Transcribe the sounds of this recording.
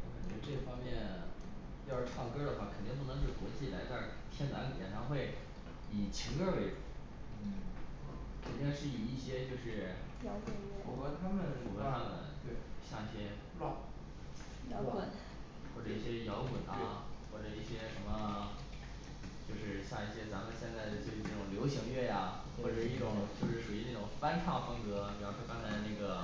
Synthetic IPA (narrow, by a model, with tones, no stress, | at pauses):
ɛ˧˥˩ʈ͡ʂɤ˥˩ɡfɑ˥ŋmjɛ˥˧n | jʈ͡ʂʰɑ˥˧˩ŋkɤ˥d̪ə˨xwa˥˩kʰnt̪i˥˧ŋp̬u˥˩nɤ˧˥ŋʂ̬ɻ̩˥˩kwɔ˧˥t͡ɕi˥˩la˧˥ɪt̪a˥˩ | t̪ʰjɛ˥nna˧˥˨jɛ̰˨˩nʈ͡ʂʰɑ˧˥ŋxwe˥˩ɪ | i˨˩t͡ɕʰi˧˥ŋkə˥˧we˥˩˨ | kʰə˨˩nt̪i˥˧ŋʂɻ̩˥˩i˨˩i˥˩ɕjɛ˥t͡ɕjo˥˧ʊʂɻ̩˥˩jɑ˧˥ʊkə˨˩ɔ˧˥kwa˧˥t̪ʰa˥mə˨nʂu˨˩wə˥a˧˥d̪ə̰˨˩˦t͡ɕjo˥˧ʊɕjɑ˥˧i˥˩ɕjɛ˥ | l | jɑ˧˥ə˨˩˦n | xwɔ˥˩ʈ͡ʂɤ˨˩i˥˩ɕjɛ˥jɑ˧˥ʊkwə˨˩nɐ˦˥˦xwɔ˥˩ʈ͡ʂɤ˨˩i˥˩ɕjɛ˥ʂə˧˥nmə˧ | t͡ɕjo˥˧ʊʂɻ̩˥˧ɕja˥˧i˥˩ɕjɛ˥t͡sa˧˥mə˨˧nɕjɛ˥˧nt͡sa˥˩ɪd̪ə˩t͡ɕjo˥˧ʊi˥˩nɤ˥˩ʈ͡ʂʊ˨˩ŋljo˧˥ʊɕi˧˥ŋɥɛ˥˩ja˩ | xwɔ˥˩ʈ͡ʂɤ˨˩˥i˥˩ʈ͡ʂʊ˨˩˦ŋt͡ɕjo˥˧ʊʂɻ̩˥˩ʂu˨˩i˧˥na˥˩ʈ͡ʂʊ˨˩ŋpa˥nʈ͡ʂʰɑ˥˩fɤ˥ŋkɤ˧˥pi˨˩ɻu˥˩ʂwɔ˥kɑ˥ŋt͡sʰa˧˥ɪ˧na˥˩ɡə˩